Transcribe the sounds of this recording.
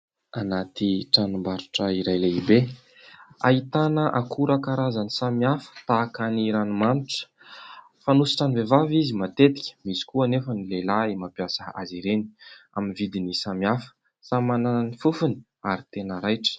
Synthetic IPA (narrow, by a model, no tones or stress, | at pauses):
anat̪iʈ͡ʂanumbaɾuʈ͡ʂəiɾajleibe | a̰it̪anəʔakʰuɾakaɾazanisamiafə̥t̪akaniɾanimaniʈ͡ʂə̥ | fanusi̥ʈ͡ʂanivevavizimat̪et̪i̥kʲə̥misi̥kuanefənilelaimapjasəa̰ziɾeni̥a̰minvid̪inisamiafə̥ | samanananifufuni̥ | aɾit̪enəɾajʈ͡ʂə̥